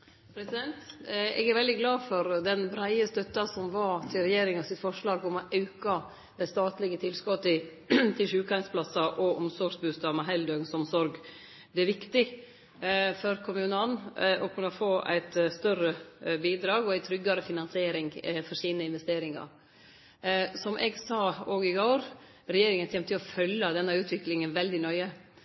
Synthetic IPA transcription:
pʰɾɛsɪd̪ɛnt̪ɛ̰ɡæɾʋɛld̪ɪɡlɑːfɔɾd̪ɛnbɾæɪəst̪œt̪ːɑsɔmʋɑt̪ʰɪlɾɛjeːɾɪŋɑsɪt̪fɔʂɭɑːɡɔmɔʔɑʉkɑ | d̪̥æɪst̪ɑːt̪lɪɡət̪ʰɪlskɔt̪ːə | t̪ʰɪlʂʉːkɑŋspʰlɑsɑʔɔʔɔmsɔɾɡsbʉːst̪ɑːmɛɦɛɪld̪øːɡnsɔmsɔɾɡ | d̪ɛɛɾʋɪkt̪ɪ | fɔɾkʰʊmʉːnɑnʔɔkʰʉnːɑfoːʔæ̰ɪt̪st̪œɾəbiːd̪ɾɑːɡɔæɪt̪ʰɾʏɡːɑɾəfɪnɑnsɪeːɾɪŋfɔɾʂiːnəɪnʋɛst̪eːɾɪŋɑ̰ɾ | sɔmʔɛɡsɑːoːɡɪɡoːɾ | ɾɛjeːɾɪŋənt̪ʰɛmt̪ʰɪlɔfœljɑd̪ɛnːɑʉːt̪ʰʋɪklɪŋənʋɛld̪ɪnœʏə

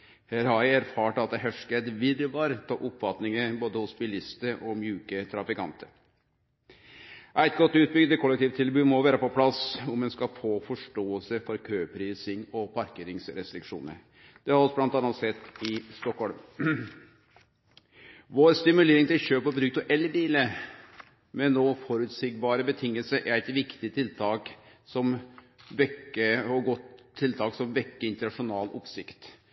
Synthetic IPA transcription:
hɛɾɑɪæɾfɑːʈəɑt̪ɦæʂkɛd̪ʋɪɾʋɑːɾət̪ʰɑ̰ːʔʊpfɑt̪nɪŋəboːd̪əhʊsbɪlɪst̪əʔɔmjʉːkət̪ʰɾɑfɪkɑ̰nt̪əɾ | ʔæɪt̪̚ɡɔt̪ːʉːt̪̚bʏɡd̪əkʰɔlːɛk̚t̪iːʋt̪ʰːɪlbʉːmɔʋæːɾəpɔpʰlɑsʊmɛnskɑfoːfɔʂʈoːəlsəfɔɾkʰøːpʰɾiːsɪŋɔpʰɑɾkeːɾɪŋsɾɛst̪ɾɪkʂṵːnə̰ɾ | d̪̥ɛɑɾɑlsɔblɑnt̪ɑnət̪sɛt̪ːɪst̪ɔkhɔlm | ʋoːɾst̪ɪmʉleːɾɪŋt̪ɪlɕøːpɔbɾʉːɡ̚t̪ɔʔɛlːbiːlə | mɛnoːfɔɾʉt̪siːɡ̚bɑːɾəbət̪ʰɪŋːəlsəɾʔæɾɛt̪ʋɪkt̪ɪt̪ʰɪlt̪ʰɑːk | sɔm | ʋɛkːəɔɡɔt̪t̪ʰːɪlt̪ʰɑːksɔmʋɛkːəɪnt̪ənɑʂʊnɑːlʔɔ̰psɪkt̪

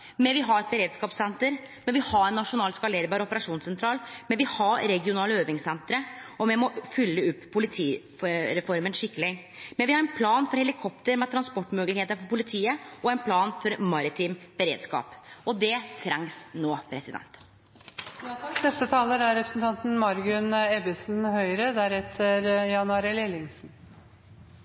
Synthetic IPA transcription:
mɛʋɪɦɑɾɛt̪̚bəɾeːd̪skɑːpsɛnt̪əɾ | mɛnʋɪhɑɾɛnːɑʂʊnɑːlskɑleːɾbɑːɾɔpəɾɑʂuːnsɛnt̪ɾɑːlmɛnʋɪhɑɾɛɡɪʊnɑːləøːʋɪŋsɛnt̪ɾəɔmɛmɔfʏlːəʉpːpʰːʊlɪt̪ʰiː | ɾɛfɔɾmənʂɪkːəlɪ | mɛnʋɪhɑɾɛnpʰlɑːnfɔɾhɛlɪkʰɔp̚t̪əɾmɛt̪ʰɾɑnspɔʈːmøːɡlɪkheːt̪əɾfɔɾpʰʊlɪt̪ʰiːəɔæɪnpʰlɑːnfɔɾmɑɾɪt̪ʰɪmb̥əɾḛːd̪skɑ̰ːpʔɔd̪ɛt̪ʰɾæŋsnoːpʰɾɛsɪd̪ɛ̰nt̪ | nɛst̪ət̪ʰɑːləd̪æɾɛpɾəsn̩t̪ʰɑnt̪n̩mɑɾɡʉnɛbɪsnhœʏɾəd̪æɾɛt̪ʰːəɾjɑnʉɑːɾəlelɪŋsn

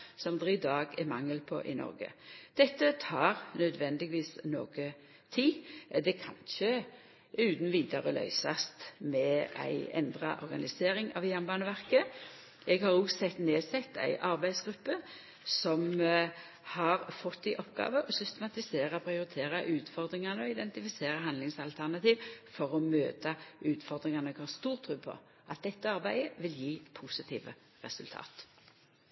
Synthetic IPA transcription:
sɔmd̪ɛʁɪd̪ɑːɡɛmɑŋːəlpʰɔ̰ʔɪ̰nɔ̰ɾɡə̰d̪̥ɛt̪ːət̪ʰɑːʁnœd̪ʋɛnd̪ɪɡʋiːsno̰ːɡə | t̪ʰiːd̪ɛkʰɑnçə | ʉːt̪n̩ʋiːd̪ɑʁəlʔœ̰ʏsɑst̪mɛæ̰ɪɛ̰nd̪ʁɑ̰ʔɔɾɡɑnɪseːʁɪŋɑ̰ʋjæʁnbɑːnəʋæʁkə | ɛɡhɑʁuɡsɛt̪neːsɛt̪ːæ̰ɪʔɑɾbæɪsɡɾʉpːə | sɔm | hɑʁfɔt̪ːɪʔɔpɡɑ̰ːʋəʔɔsʏst̪əmɑt̪ɪseːʁəpʰɾɪʊʁɪt̪ʰeːʁɑʔʉːt̪fɔʁd̪ʁɪŋɑnəɔɪd̪ɛnt̪ɪfɪseːʁəɦɑnd̪lɪŋsɑlt̪ʰæʁnɑt̪iːʋfɔʁɔmøːt̪ɑʉːt̪fɔʁd̪ʁɪŋɑnəɛɡhɑːʁst̪uːʁt̪ʰʁʉːpʰɔ̰ | ʔɑt̪̚d̪ɛt̪ːəɑʁbæɪəʋɪljiːpʰusɪt̪ʰḭːʋə̰ | ʁɛ̰sʉlt̪ʰɑ̰ːt̪

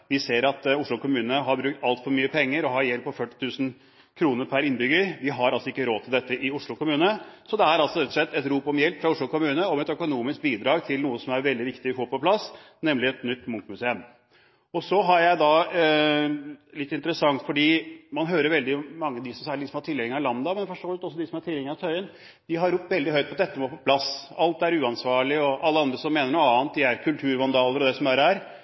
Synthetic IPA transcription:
ʋɪseːɾɑt̪ʊʂɭʊkʊmʉːnənəɦɑɾbɾʉk̚t̪ɑlt̪fɔɾmyːəpʰɛŋːəɾɔɦɑjɛlpʰːɔfœʈːɪ̥t̪ʰʉːsən̩ | kʰɾuːnəɾpʰæɾɪnbʏɡəɾʋɪɦɑɾɑlsɔɪkːəɾoːt̪ʰɪld̪ɛt̪ːəʔɪʊʂɭʊkʰʊmʉːnəsɔd̪ɛæɾɑlsɔɾɛt̪ːɔʂɭɛt̪ːɛt̪ɾuːpɔmjɛlpfɾɑʊʂɭʊkʊmʉːnəɔmɛt̪œkʊnuːmɪsk̚biːd̪ɾɑːɡt̪ʰɪlnuːəsɔmæɾʋɛld̪ɪʋɪkt̪ɪɪfoːɾpɔpʰlɑs | nɛmlɪɛt̪nʏt̪ːmʊŋk̪mʉseəm | ɔsɔɦɑɾjæɪd̪ɑ | lɪt̪ːɪnt̪əɾəsɑŋt̪fɔɖiːmɑnɦøːɾəɾʋɛld̪ɪmɑŋːəd̪ɪsɔmsæːləd̪ɪsɔmhɑʈʰɪlːɛŋːəɑlɑnd̪ɑmɛnfɔʂʈoːʋəlt̪ɔsːɔd̪ɪsɔmɑʈʰɪlːɛŋːəɑt̪ʰœʏən | d̪̥ɪɦɑɾʊpːʋɛld̪ɪɦœʏt̪̚pʰɔd̪ɛt̪ːəmoːpʰɔpʰlɑsɑlt̪æɾʉːɑnsʋɑːɭɪɔʔɑlːəɑnd̪ɾəsɔmːeːnəɳuːəɑːnt̪̚d̪ɪæɾkʰʉlt̪ʰʉːɾʋɑnd̪ɑːləɾɔd̪ɛsɔmæɾæɾ

